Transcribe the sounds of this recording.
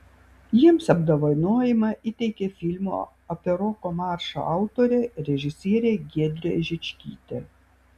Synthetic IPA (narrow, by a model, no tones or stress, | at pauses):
jiɛmsɐbd̪oːʋɐɪnoːjɪmɐʔit̪ʲɛɪkʲeːfʲɪlʲmṵː | ɔpʲɛɾɔːkomɑːˑɾʃo̰ɑˑʊt̪oːɾʲeːɾʲɛʒʲɪsʲiɛɾʲeːɡʲiɛd̪ʲɾʲeʒʲɪt͡ʃʲkʲḭːt̪ʲe